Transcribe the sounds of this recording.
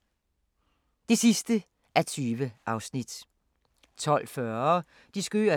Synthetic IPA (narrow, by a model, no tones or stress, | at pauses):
d̥e̝sisd̥ə | ʔæɐt͡sʰyːʋəʔɑ̈ʊsnid̥ | t͡sʰɒ̽l̰fɶɐ | d̥isɡ̥ø̰ːɐ